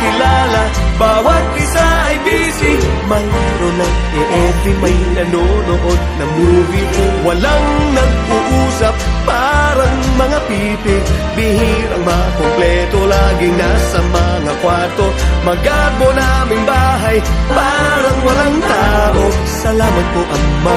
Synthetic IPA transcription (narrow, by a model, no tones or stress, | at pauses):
kɪlaːla | baːwɐt̪̚ʔɪsaʔɐjbisɪ | mɐŋ | ɾona | ɛʔɛt̪ɪmɐjnɐnonoʔod̪̚nɐmuːɡɪwɐlaŋnɐɡ̚ʊʔuːsap̚ːaːɾɐŋmɐŋapi | pɪbɪɦiɾɐŋmɐakomplɛt̪olaːɡɪŋnasɐmɐŋakwaɹt̪omɐɡabonamɪŋbaːɦɐjpaːɾɐŋwɐlaŋt̪aːʔo | sɐlaːmɐt̪̚koʔɐŋmɐ